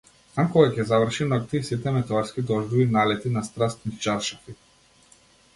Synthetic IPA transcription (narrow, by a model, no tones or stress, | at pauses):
akɔɡacʲɛzavr̩ʃinɔkt̪iisit̪ɛmɛt̪ɛaɾskʲid̪ɔʒd̪uinalɛt̪inast̪ɾast̪nist͡ʃaɾʃafi